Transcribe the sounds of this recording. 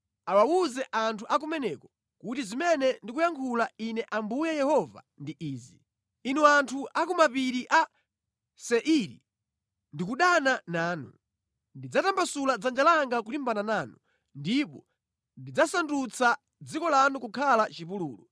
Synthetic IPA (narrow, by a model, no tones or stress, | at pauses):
awawuzɛʔantʰuʔak̬umɛnɛkɔ | kutizimɛnɛndikujaŋkʰulainɛʔambujɛjɛhɔva̰ | ndiʔiːzi | inuantʰuʔakɔmapiɾiʔa | sɛʔiɾḭ | ndikuɗananaːnṵ | ndid͡zatambasulad͡zand͡ʒalaŋɡakulimbananaːnu | ndipɔ | ndid͡zasandut͡sʰa | d͡zikɔlanukukʰalat͡ʃipuluːlɔ